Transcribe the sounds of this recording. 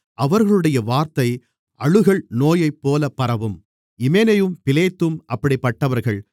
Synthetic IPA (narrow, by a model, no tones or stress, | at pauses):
ʔɐʋɐɾɣɐɭɯɽɐjɐʋaːɾt̪ɐɪ | ʔɐɻɯɣɐɭnoːjɐɪpːoːlɐpːɐɾɐʋɯm | ɪmeːnɐjɯmpɪleːt̪ːɯmʔɐpːɐɽɪpːɐʈːɐʋɐɾɣɐɭ